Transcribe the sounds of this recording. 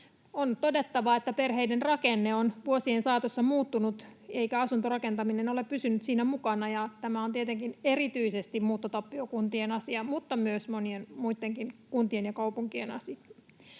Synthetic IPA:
ont̪odet̪ːɑʋɑet̪ːæperheijdenrɑkenːeonʋuosiensɑːt̪osːɑmuːt̪ːunut̪eikæɑsunt̪orɑkent̪ɑminenoleppysynyt̪siːnæmukɑnɑjɑt̪æmæont̪iet̪eŋkinerit̪yisest̪immuːt̪ːot̪ɑpːiokunt̪ienɑsiɑmut̪ːɑmyøsmonienmuit̪ːeŋkinkunt̪ienjɑkɑuwpuŋkienɑ̰siɑ

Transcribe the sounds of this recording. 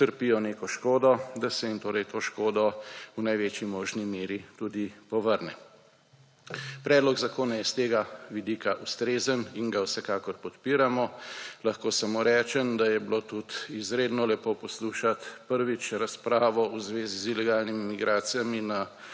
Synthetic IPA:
t̪əɾpijɔneːkɔʃkoːd̪ɔd̪asɛint̪oːɾɛjt̪ʰoːʃkoːd̪ɔunajʋet͡ʃimɔːʒnimeːɾit̪ud̪ipɔʋəɾnɛ | pɾɛːd̪lɔɡzakoːnajɛst̪eːɡaʋid̪iːkaʔust̪ɾeːzəniŋɡawsɛkaːkɔɾpɔt̪piːɾamɔlaxkoːsamoːɾɛːt͡ʃɛnd̪ajɛblot̪ut̪izɾeːd̪nɔlɛpoːpɔsluːʃat̪pəɾʋit͡ʃɾaspɾaːʋɔuzʋeːzizilɛɡaːlnimimiɡɾaːt̪sijamina

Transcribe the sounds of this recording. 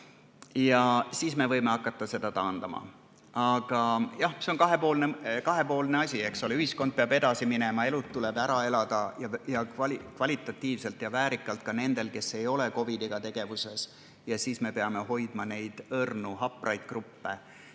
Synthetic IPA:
jɑsiːsme̞vɤjme̞ɑkːˑɑt̪ːˑɑse̞d̪̥ɑt̪ɑːnd̪̥ɑmɑ̰ | ɑɡ̥ɑjɑhse̞o̞nkɑɦe̞po̞ːlnekɑɦe̞po̞ːlne̞ɑsʲiekso̞leyhisko̞nd̪̚peɑbe̞d̪̥ɑsiminemɑe̞lut̪tːulebæɾɑe̞lɑd̪̥ɑjɑjɑkvɑlikvɑlʲit̪ːˑɑt̪ˑːiːvse̞lt̪ˑjɑvæːɾikːˑɑlt̪̚kɑne̞nd̪̥e̞lke̞sːe̞jo̞le̞ko̞vid̪iɡ̥ɑt̪e̞ɡ̥e̞vuse̞s | jɑsiːsme̞pe̞ɑmeɦo̞jd̪̥mɑne̞jd̪̥ɤrnuɦɑpːˑrʔɑjd̪̥̚krupːe̞

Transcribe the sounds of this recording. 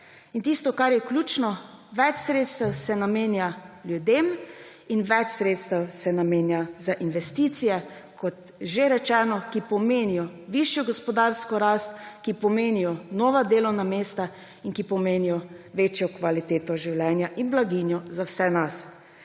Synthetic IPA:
int̪ist̪ɔkaɾjɛklʲjuːt͡ʃnɔʋɛt͡ʃsɾeːt̪st̪awsɛnameːnjaljud̪eːm | inʋɛt͡ʃsɾeːt̪st̪awsɛnameːnjazaʔinʋɛst̪it̪sijɛkʰɔt̪ | ʒeɾɛt͡ʃɛːnɔkipɔmeːnijɔʋiʃjɔɡɔspɔd̪aɾskɔɾast̪̚kipɔmeːnijɔnɔːʋad̪eːlɔwnameːst̪a | inkipɔmeːnijɔʋeːt͡ʃjɔkʋalit̪eːt̪ɔʒiwlɛnjaʔinblaɡinjɔzawsɛnas

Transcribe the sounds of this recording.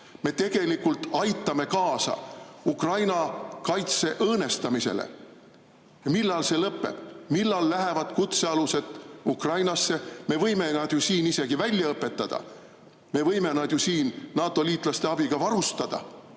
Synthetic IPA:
me̞t̪e̞ɡ̥e̞likult̪ːɑjt̪ˑːɑme̞kɑːsɑ̰ukrɑjnɑkɑjt̪se̞ʔɤːne̞st̪ɑmise̞̰lḛ | jɑmilːɑlse̞lɤpːˑe̞̰b̥milːɑlːæɦevɑd̪̥kut̪se̞ɑluse̞d̪̥ukrɑjnɑsːe̞me̞vɤjme̞nɑd̪̥josiːnise̞ɡ̥ivælʲjɑɤpːˑe̞t̪ːɑd̪̥ɑ̰ | me̞vɤjme̞nɑd̪̥jusiːnːɑːt̪ːˑo̞liːt̪ːˑlɑst̪e̞ɑb̥iɡ̥ɑvɑɾust̪ɑd̪̥ɑ̰

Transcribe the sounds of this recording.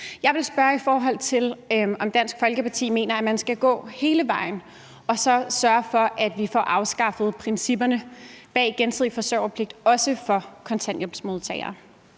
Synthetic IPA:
jɑ̈ɪʋe̝lsb̥ɶːɐifɒːɦɒ̽l̰t͡sʰe̝lɒ̽md̥æn̰sɡ̥fɒ̽lɡ̥əpɑ̈t͡sʰḭːme̝̰ːnɐæmænsɡ̥æɡ̥ɔ̰̽ːhe̝ːləʋɑ̈ɪn̩ | ɒ̽sɒ̽sɶɐfɒ̽ʔæd̥ʋifɒ̰ːʔɑ̈ʊsɡ̥ɑ̈fð̞̩ˠpʰʁɛnsib̥ɐnəb̥ɛ̰ːɡ̥ensðˠifɒ̽søʊ̰ɐpʰle̝ɡ̥̚d̥ɒ̽səfɒ̽kʰɒ̽nt͡sʰænd̥job̥smo̝ð̩ˠt͡sʰɛ̰ɪɐ̰ː

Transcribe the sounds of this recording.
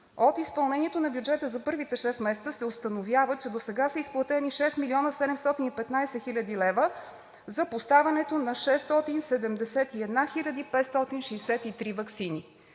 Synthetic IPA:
ot̪ispɐlˠnɛniɛt̪onɐbjud͡ʒɛt̪əzɐpɤɾvit̪ɛʃɛst̪mɛsɛt̪səsɛost̪ənovjavət͡ʃɛd̪osɛɡasəisplˠɐt̪ɛniʃɛst̪miliɔnəsɛd̪ɛmst̪ɔt̪inipɛt̪najsɛxilʲəd̪ilɛvə | zɐpost̪avʲənɛt̪onɐʃɛst̪ɔt̪insɛd̪ɛmd̪ɛsɛt̪iɛd̪naxilʲəd̪ipɛt̪st̪ɔt̪inʃɛsɛt̪it̪ɾivɐksini

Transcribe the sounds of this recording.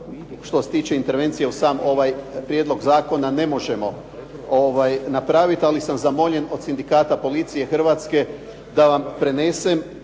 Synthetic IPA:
ʃt̪ose̥t̪iːt͡ɕeint̪e̞ɾʋe̞nt̪sije̞usaːmo̞ʋajpɾjed̪lˠo̞ɡzaːko̞nane̞mo̞ʒe̞mo̞ | oʋajnapɾaːʋit̪alisamzamo̞ʎe̞no̞d̪̥sind̪ikaːt̪apo̞lit̪sije̞xr̩ʋaːt̪ske̞ | d̪aʋampɾe̞neːse̞m

